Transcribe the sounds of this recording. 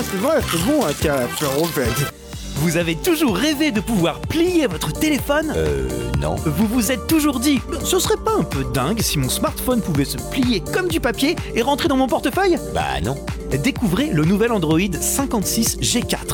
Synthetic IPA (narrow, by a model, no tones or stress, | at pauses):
asɛvʁɛsɛbɔ̃ɛ̃kʲafɛʁɔ̃fɛt̪ | vuzavet̪uʒuʁːeved̪əpuvwaʁplijevɔt̪χət̪elefɔnø̰nɔ̰̃vuvuzɛt̪ːuʒuʁd̪isəsəʁɛpaɛ̃pød̪ɛ̃ɡsimɔ̃smaʁt̪fɔnpuvɛsəplijekɔmd̪ypapjeeʁɑ̃t̪χed̪ɑ̃mɔ̃pɔʁt̪əfœjba̰nɔ̰̃ | d̪ekuvʁelənuvɛlɑ̃d̪ʁɔid̪sɛ̃kɑ̃t̪sisʒekʲa̰t̪χ